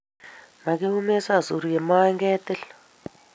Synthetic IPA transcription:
na˨k̬i˦ɦu˦mɛ˦sa˦˨zu˨ɾu˨jɛ˨ma˦ŋɡɛ˦t̪ɛ˦l

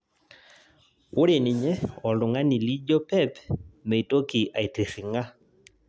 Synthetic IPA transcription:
ʊ˦ɾe˨nɪ˨ɲɛ˦ɔ˨ldʊ˨ŋa˦ni˨li˦d͡ʒo˦pɛ˦pme˨to˦ki˨ʔa˨i˨ti˨sɪ˨ŋa˦

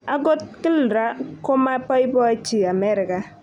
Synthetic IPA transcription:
a˦ɡo˦t̚kɪ˦lɾa˦kɔ˦ma˦pɔ˦jbɔ˦t͡ʃi˨a˨mɛ˦ɾɪ˨ka˨

